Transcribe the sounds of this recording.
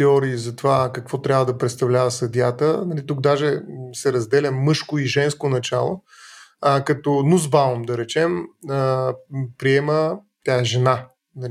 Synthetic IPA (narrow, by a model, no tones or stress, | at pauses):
ɛɔɾiːzɐt̪ovakɐkvɔt̪ɾʲabvəd̪ɐpɾɛt̪st̪ɐvlʲavɐsɐd̪ʲjat̪ənɐlit̪uɡ̚d̪aʒɛsɛɾɐzd̪ɛlʲɐmɤʃkʊiʒɛnskonɐt͡ʃa̰lˠo | kɐt̪ɔnuzbalomd̪ɐɾɛt͡ʃɛməpɾiɛmə | t̪ʲaɛʒɛna | nɐli